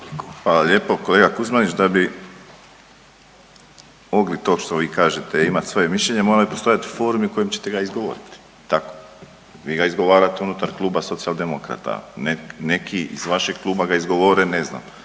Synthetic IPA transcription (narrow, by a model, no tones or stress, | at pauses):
xʋaːlaʎe̞ːpo̞ko̞leɡakuzmanit͡ɕd̪abi | o̞ɡlit̪o̞ʃt̪o̞ʋiːkaːʒet̪eimat̪sʋo̞jemiʃʎeɲemo̞ːɾalipo̞st̪ojat̪i̥fo̞ːɾmiuko̞jemt͡ɕet̪e̞ɡaizɡoʋo̰ɾit̪i̥ | t̪ako̥ | ʋiːɡaizɡo̞ʋaːɾat̪eunut̪aɾklˠuːbaso̞t̪siald̪e̞mokɾa̰t̪a̰nene̞kʰiḭzʋaʃeɡ̥̚klˠuːbaɡaizɡo̞ʋoɾene̞zna̰m